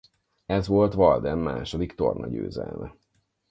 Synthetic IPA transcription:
ɛzʋo̞lt̪ʋɒld̪ɛmːaːʃod̪ikt̪o̞̰rnɒɟø̰ːzɛlmɛ

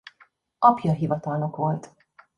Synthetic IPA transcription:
ʔɒpjɒɦivɒt̪ɒlno̞kʋo̞lt̪

